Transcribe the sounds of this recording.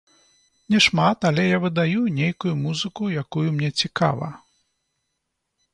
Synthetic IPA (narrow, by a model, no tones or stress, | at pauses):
nʲɛʂmat̪ɐlʲɛjavɨd̪ajunʲejkujumuzɨkujakujumnʲɛt͡sʲika̰vɐ̰